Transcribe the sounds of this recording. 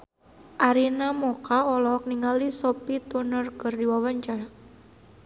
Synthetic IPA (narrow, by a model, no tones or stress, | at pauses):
ʔaɾinamɔkaɔlɔɦɔk̚niŋalisopit̪unərkərdiwawaɲt͡ʃaɾa